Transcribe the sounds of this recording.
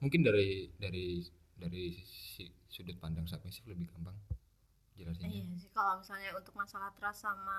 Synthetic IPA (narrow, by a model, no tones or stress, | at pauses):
muŋkɪndaɾidaɾi | daɾisisudat̪̚pand͡ʒaŋsapaɲsɪhləbɪhkəmpaŋ | d͡ʒəlasiɲjasɪhkalomisalɲaunt̪ʊk̚masalaht̪əɾasama